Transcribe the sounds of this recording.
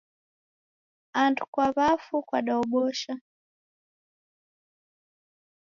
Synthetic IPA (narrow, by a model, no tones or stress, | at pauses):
andukwaβafukwaɗaɔɓɔʃa